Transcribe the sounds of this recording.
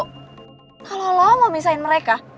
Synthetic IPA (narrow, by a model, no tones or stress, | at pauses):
kalolɔŋɔmisaɪnməɾeka